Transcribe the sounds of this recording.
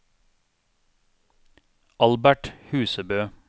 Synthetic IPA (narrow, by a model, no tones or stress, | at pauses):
ɑlbæʈhʉːsəbøː